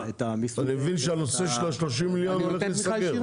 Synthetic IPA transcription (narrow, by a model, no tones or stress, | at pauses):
et̪amianimevinʃeano̞se̞ʃelaʃlo̞ʃ̬imːiljonolelisakeʁ